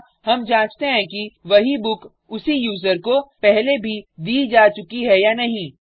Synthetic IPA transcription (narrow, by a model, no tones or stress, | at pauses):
hɐmd͡ʒãːt͡ʃt̪eɦɛ̃kiʋɐɦibʊk | ʊsijuːzəɾkopɛɦlebʱid̪iːd͡ʒaːt͡ʃʊkiɦɛjanɐɦĩ